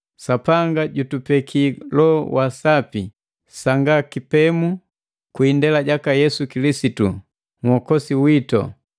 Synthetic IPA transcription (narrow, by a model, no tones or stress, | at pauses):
sapaŋɡaɟutupɛkʰilɔwʔasapi | saŋɡakipɛmu | kwindɛlaɟakajɛsukilisitṵ | ŋhɔkɔsiwitɔ̰